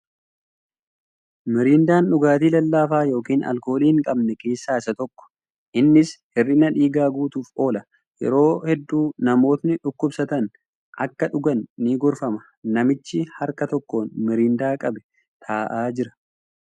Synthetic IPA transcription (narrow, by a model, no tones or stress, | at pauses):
mɪɾiːnd̪aːnᶑʊɡaːt̪iːlɐlːaːfaːjo̞ːkiːnɐ̰lko̞ːliːɪŋkʼɐbnɛke̞ːsːaːɪsɐt̪ɔkːɔ̥ | ʔɪnːɪshɪrːɪnɐᶑiːɡaːɡuːt̪uːfʔo̞ːlɐ | jɛ̰ɾo̞ːhɛd̪ːuːnɐmo̞ːt̪nɪᶑʊkːʊbsɐt̪ɐn | ʔɐkːɐᶑʊɡɐnːiɡʊɾfɐmɐ | nɐmɪt͡ʃːɪhɐɾkɐt̪ɔkːoːnmɪɾiːnd̪aːkʼɐbɛ̥ | t̪ʰaːʔaːd͡ʒɪɾɐ̥